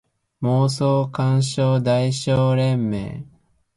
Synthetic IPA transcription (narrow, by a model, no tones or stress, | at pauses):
moːsoːkãɰ̃ɕoːd̪aiɕoːɾẽ̞mːḛː